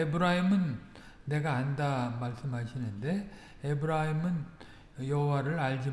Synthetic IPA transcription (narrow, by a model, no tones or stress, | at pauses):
ebɯɾaɦimɯnː | e̞ɡaːndamaɭs͈ɯmɦaɕʰinɯnde̞ | ebɯɾaɦimɯn | jʌɦowaɾɯɭaɭd͡ʑi